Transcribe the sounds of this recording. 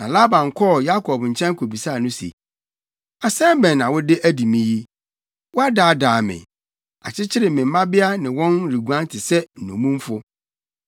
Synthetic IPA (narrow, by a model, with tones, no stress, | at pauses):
nã˨la˦bã˨ŋ˨kʰɔ˦˨ja˦kʰɔ˨bɲ̩˨t͡ɕʰɛ̃˦ŋ˦kʰo˨bi˨sa˦˨nʊ̃˦sḭ˨ | a˨sɛ̃˦mbɛ̃˨nːã˨wʊ˦dɪ˦ʔæ˦di˨mĩ˦ji˦ | wɔ˦a˦daː˨daː˨mɪ̰̃˨ | a̰˨t͡ɕʰɪ˦t͡ɕʰɪ˦ɾɪ˨mɪ̃˨m̩˦mã˦bɪ˦a˦nɪ̃˨wɔ̃˦nɾi˨ɡu˨˦ã˦n˦tʰɪ˨sɛ˦n̩˨nṵ̃˨mũ˦m˦fʊ˦